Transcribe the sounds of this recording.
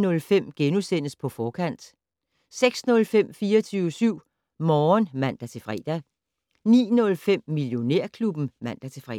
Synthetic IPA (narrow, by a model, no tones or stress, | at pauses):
nɔ̽lfem̰ɡ̥enusen̰əspʰɒ̽fɒːkʰæn̰d̥ | seɡ̥snɔ̽lfem̰fiːɐt͡sʰyːʊəsyʊ̰ | mɒːnmæn̰d̥æt͡sʰe̝fʁɛ̰ːd̥æ | nḭːnɔ̽lfem̰miljo̝ne̝ɐ̰kʰlub̥n̩mæn̰d̥æt͡sʰe̝fʁɛ